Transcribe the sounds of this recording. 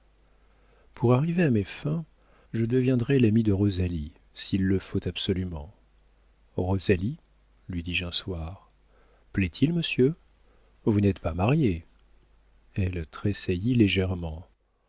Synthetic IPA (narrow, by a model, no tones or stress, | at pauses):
pʰuʁaʁiveamefɛ̃ | ʒəd̪əvjɛ̃d̪ʁɛlamid̪əʁɔzali | silːəfot̪absɔlymɑ̰̃ | ʁɔzali | lɥid̪iʒɛ̃swaʁ | plɛt̪ʰilməsjø | vunɛt̪pamaʁje | ɛlt̪χesajileʒɛʁmɑ̃